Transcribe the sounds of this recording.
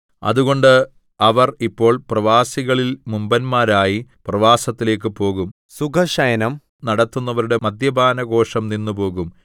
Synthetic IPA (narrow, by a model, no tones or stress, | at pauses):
ɐ̰ðuɣo̞ɳɖɨ | ɐʋɐripːo̞ːɭprɐʋaːsiɣɐɭilmumbɐnmaːɾaːjiprɐʋaːsɐt̪ːile̞ːk̬ːɨpo̞ːɣum | suɡʰʱɐʂɐjɐnɐm | nɐɽɐt̪ːunːɐʋɐɾuɽe̞mɐd̪jɐbʱaːnɐɡo̞ːʂɐmninːupo̞ːɣum